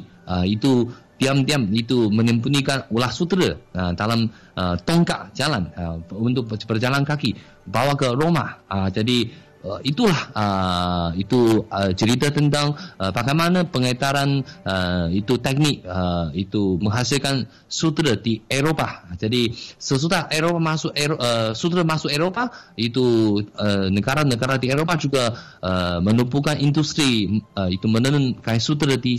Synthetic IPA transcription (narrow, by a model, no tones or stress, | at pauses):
əit̪ut̪iamt̪iamit̪umənəmpunikanulahsut̪ɾəədalam | ʔət̪ɔŋkaʔd͡ʒalanəunt̪ʊk̚bərd͡ʒalankaki | bawakəɾoma̰əd͡ʒadi | əit̪ulahəit̪uət͡ʃəɾit̪at̪ənt̪aŋəpakajmanapəŋat̪aɾanəit̪ut̪ɛk̚nɪk̚əit̪uməŋɦasilkan | sut̪ɾədieɾopad͡ʒadisəs̬ut̪aʔeɾopamasʊkeɾoəsut̪̬ɾəmasʊkeɾopait̪uənəɡaɾanːəɡaɾadieɾopad͡ʒuɡa | əmənupukanind̪ust̪ɾiəit̪umənənənkajsut̪̬ɾədi